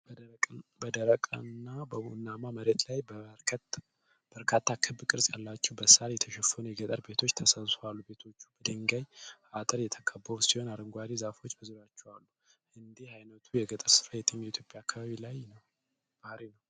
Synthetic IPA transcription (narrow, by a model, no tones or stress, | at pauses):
bʼbəd̪əɾəkʼənːabənːamaməɾe̞t̪lajb̪ʰ | b̥əɾkʰat̪ːakʰɨbkʼɨɾsʼjalːat͡ʃːɛwbəsaljɛt̪ʰəʃɛfənujɛɡət̪ʼəɾbet̪ʰo̞t͡ʃːt̪ʰəsəlsowalːube̞t̪ʰo̞t͡ʃːubəd̪əŋɡajat̪ʼəɾjɛt̪ʰəkʼʰəbːəɾusiho̞naɾəŋɡʷad̪izafo̞t͡ʃːbəzuɾjat͡ʃːɛwalːu | ɨnd̪ihajnət̪ʰujɛɡət̪ʼəɾsɨ̥ɾajɛt̪ʼɨɲːɛit̪ʰjopʼjaːkːaβaβilajnəw | b̥ahɾinəw